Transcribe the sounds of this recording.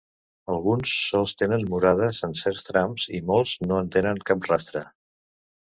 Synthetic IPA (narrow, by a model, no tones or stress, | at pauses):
əlˠɣunsːɔlˠst̪enənmuɾað̞əzənsɛɾst̪ɾamz̥imɔlˠznoənt̪enəŋkap̚rast̪ɾə